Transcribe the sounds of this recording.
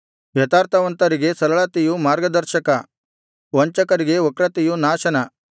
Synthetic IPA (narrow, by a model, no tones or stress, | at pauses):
ʋjɐt̪aːɾt̪ʰɐʋɐnt̪ɐɾiɡe̞sɐɾɐɭɐt̪ijumaːɾɡɐd̪ɐɾʃɐkɐ | ʋɐɲt͡ʃɐkɐɾiɡe̞okɾɐt̪ijunaːʃɐnɐ